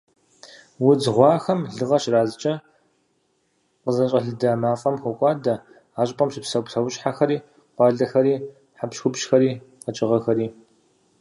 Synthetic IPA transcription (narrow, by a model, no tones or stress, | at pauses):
wʊd͡zʁʷɑːxɐmɮɨʁɐʃraːzɨt͡ʃʼɐ | qəzɐɕʼɐɮɨdɐmaːfʼɐmxʷʊkʷʼɑːdɐ | aːɕʼpʼɐmɕɪpsɐwtʰɐwʊɕʼħaxɐɾiː | qʷɑːɮɐxɐɾiː | ħapʃxʷʊpʃxɐɾiːqɐt͡ʃʼɪʁɐxɐɾiː